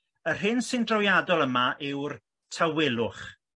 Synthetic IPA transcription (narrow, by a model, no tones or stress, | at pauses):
ər̥ɦɪnsɪndrɔwjadɔlˠəmaʔɪwr | tʰawɪlˠʊχ